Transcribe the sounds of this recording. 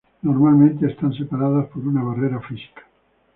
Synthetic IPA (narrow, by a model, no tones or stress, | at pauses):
noɾmalmẽnt̪eest̪ansepaɾaðaspoɾunaβ̞areɾafisi̥kḁ